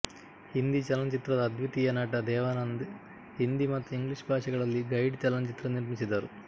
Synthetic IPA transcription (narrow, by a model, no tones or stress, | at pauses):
hind̪it͡ʃɐlɐnt͡ʃit̪ɾɐd̪ɐːd̪ʋut̪ijɐnaːʈɐd̪ɛːʋaːnɐnd̪ | hind̪imɐt̪ɐiŋɡliʂbʱaːʂɐɡɐɭɐlːiɡɐjɖt͡ʃɐlɐnt͡ʃit̪ɾɐniɾmit͡ʃid̪ːaːɾu